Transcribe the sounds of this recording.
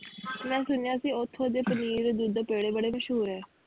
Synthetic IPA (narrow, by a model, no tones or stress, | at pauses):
mɛ̃ːsʊnjãːəsĩːʊt̪ʰːoːd̪eːpəniːɾd̪uːd̪peːɽeːbəɽeːməʃɦuːɾɛː